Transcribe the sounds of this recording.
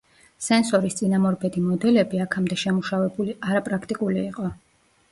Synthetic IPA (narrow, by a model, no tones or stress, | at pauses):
sɛnsɔɾist̪sʼinamɔɾbɛd̪imɔd̪ɛlɛbiakʰamd̪ɛʃɛmuʃavɛbuliaɾapʼɾakʰt̪ʼikʼuliːqʼɔ